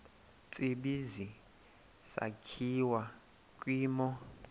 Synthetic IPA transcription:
t͡sʼibizi | sa̰kʰiwa | kʼwiːmɔ

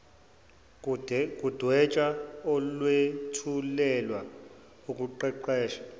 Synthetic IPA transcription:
kʼud̥ʱwɛt͡ʃʼaɔlwetʰulɛlwa | ukʼuǃɛǃɛːʃḁ

